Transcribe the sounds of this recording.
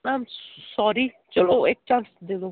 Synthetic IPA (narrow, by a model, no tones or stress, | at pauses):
amsɔːɾi | t͡ʃəloeːk̚t͡ʃãːnsd̪ed̪o